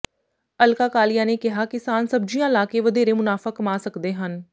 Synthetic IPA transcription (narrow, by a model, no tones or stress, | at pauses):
əlkaːkaːlɪjaːneːkɪɦaːkɪsaːnsəb̚d͡ʒijãːlaːkeːʋəd̪eːɾemʊnaːfaːkəmaːsəkd̪eːɦən